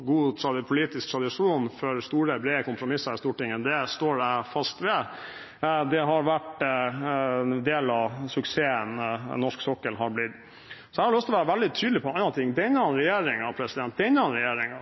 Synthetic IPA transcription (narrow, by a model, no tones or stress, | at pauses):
ɡuːt̪ʰɾɑd̪ɪpʰʊliːt̪ɪsk̚t̪ʰɾɑd̪ɪʂuːnfɔɾst̪uːɾəbɾeːəkʊmpʰɾʊmɪsːɑɾɪst̪uːʈɪŋːəd̪ɛst̪oːɾæɪfɑst̪ʋɛ | d̪ɛɦɑɾʋæʈ | d̪eːlɑsʉkseːənnɔʂksɔkːəlɦɑɾblɪt̪ː | sɔæhɑɭlʉft̪ɔʋæːɾəʋæld̪ɪt̪ʰyːd̪lɪpʰɔɑnɑt̪ʰɪŋːd̪ɛɪnːəɑnɾɛjeːɾɪŋɑpʰɾɛsɪd̪ɛnd̪ɛɪnːəɑnɾɛjeːɾɪŋɑ